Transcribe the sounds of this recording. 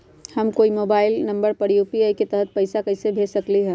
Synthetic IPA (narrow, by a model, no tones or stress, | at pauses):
hɐmkoːimoːbaːɪlnɐ̃mbəɾpɐɽiupiaːiket̪ɛɦət̪̚pɐɪsakɐɪsebʱeːsɐkliɦɛː